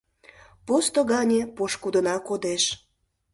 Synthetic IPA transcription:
post̪oɣɑnʲepoʃkud̪ənɑkod̪eʃ

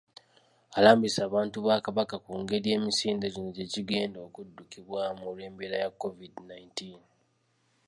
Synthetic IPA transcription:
alaːmbisaːβaːntuβaːkaβakakuːŋɡe̞ɾie̞ːmisiːndeɟino̞ɟe̞ciɡe̞ːndo̞ːkudːukiβwamulweːmbeɾajakːo̞vidnaintin

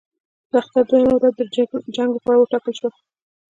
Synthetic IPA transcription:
d̪əaxt̪aɾd̪ojamawɾad̪ːəd͡ʒaŋɡopɑɽawəʈɑkəlʃwa

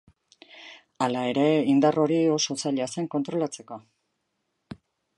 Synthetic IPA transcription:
alae̞ɾe̞ind̪aro̞ɾio̞so̞t͡saʎase̞ŋko̞nt̪ɾo̞lat͡se̞ko̞

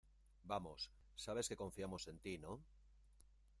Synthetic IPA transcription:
bamosː | aβ̞e̞ske̞kõ̞ɱfiamo̞se̞nt̪ino̞

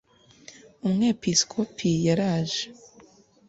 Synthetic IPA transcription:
umŋe̞ːpiskʰopʰijaɾaːʒe

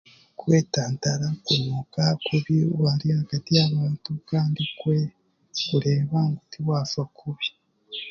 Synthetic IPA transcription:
kweːtaːntaɾakumukakuβiwaɾihaɡ̥atijaβaːntukaːndikwe | kuɾe̞ːβaŋɡutiwaːsakʰuβi

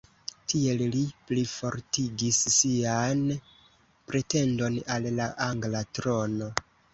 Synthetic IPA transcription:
tʰie̞lliplifo̞ɾtiɡisːian | pɾe̞te̞ndo̞nalːaʔaŋɡlatɾo̞no̞

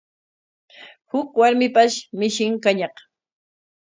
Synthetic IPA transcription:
hʊkwaɾmɪpaʃmɪʃɪŋkaɲɑq

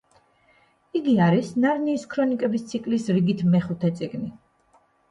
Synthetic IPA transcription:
iɡiaɾisnaɾniːskʰɾɔnikʼɛbist̪sʰikʼlisɾiɡit̪ʰmɛχut̪ʰɛt̪sʼiɡni

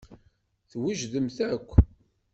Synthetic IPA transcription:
θwiʒðəmθækʷː

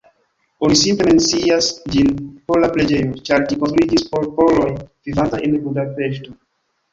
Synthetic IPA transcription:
onisimple̞me̞nt͡siasd͡ʒinpoɾlaple̞d͡ʒe̞jo̞t͡ʃaɾd͡ʒikonst̪ɾuid͡ʒispo̞ɾpo̞lo̞jvivantajʔenbudape̞ʃto̞

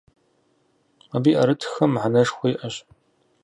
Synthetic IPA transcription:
abiːʔɐɾɨtʰxɐmʕanɐʂxʷɔjʔɐɕʼ

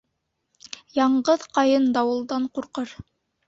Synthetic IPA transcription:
jɑɴɢɤðqɑjɤnd̪ɑwɤ̆lˠd̪ɑɴquɾqɤɾ

